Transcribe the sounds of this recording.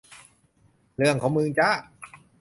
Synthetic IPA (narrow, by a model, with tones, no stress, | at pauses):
ɾɯ˥˩əŋkʰɔː˩˦ŋmɯː˧ŋt͡ɕa˦˥˩